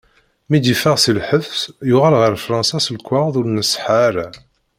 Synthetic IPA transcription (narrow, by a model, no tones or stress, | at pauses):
mid̪ifəʁsilħəfsjʊʁalʁəɾfɾˤɑ̃nsɑsəlkʷːaʁðˤuɾnəsħaɾa